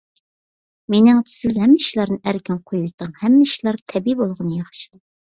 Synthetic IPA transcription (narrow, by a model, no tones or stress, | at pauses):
menɪŋ̥sɪzhɛmːɛiʃlˠɑɾnɨʔæɾkʲɪnqʰojujt̪ʰəŋhɛmːɛiʃlˠɑɾt̪ʰɛbibolˠʁənɨjɑχʃi̥d̪